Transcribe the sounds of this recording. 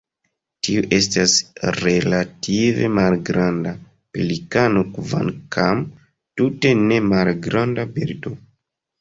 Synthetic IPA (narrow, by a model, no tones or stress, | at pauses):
tiuʔe̞stasɾe̞latʰive̞̰malɡɾanda | pelikanokva̰nkʰam | tute̞ne̞malɡɾandabeɾdo